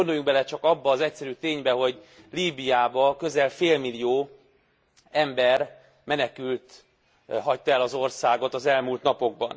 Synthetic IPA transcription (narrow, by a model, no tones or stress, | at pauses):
ond̪o̞juŋk̚bɛlɛt͡ʃɒkɒbːɒːzɛcsɛɾyːt̪eːɲbɛɦo̞ɟ | liːbijaːbɒkø̞zɛlfeːlmilijoː | ɛmbɛr | mɛnɛkylt̪ | ɦɒct̪ɛlɒzo̞rsaːɡo̞t̪ɒzɛlmuːlt̪nɒpo̞ɡ̚bɒ̰n